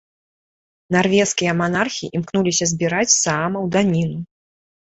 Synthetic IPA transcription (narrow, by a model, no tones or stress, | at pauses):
narvʲɛskʲijɐmanarxʲiʔimknulʲisʲɐzʲbʲiɾat͡sʲsaamɐwd̪anʲinu